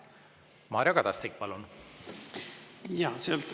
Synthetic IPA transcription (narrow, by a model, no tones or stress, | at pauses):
mɑːɾʲjɑkɑd̪̥ɑst̪ik̚ːpɑlun | jɑːsealt̪